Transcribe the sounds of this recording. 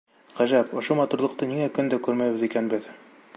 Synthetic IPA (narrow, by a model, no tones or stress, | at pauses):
ʁæʒæpŏʃomɒt̪uɾlˠɤ̆q̚t̪ɤniŋækɵnd̪ækʉɾmæjbɘ̆ðikænbɘð